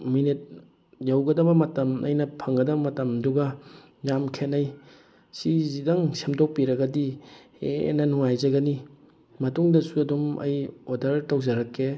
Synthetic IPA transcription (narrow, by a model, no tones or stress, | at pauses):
minit̚ | jawɡɐdɐbɐmɐtɐmʔɐ̰jnɐpʰɐŋɡɐdɐbɐmɐtɐmduɡɐ | jamkʰenɐj | sizidɐŋsemdok̚piɾɐɡɐdihḛnɐnuŋajzɐɡɐni | mɐtuŋdɐsuɐdumɐ̰jodɐɾtɐwzɐɾɐkʰːe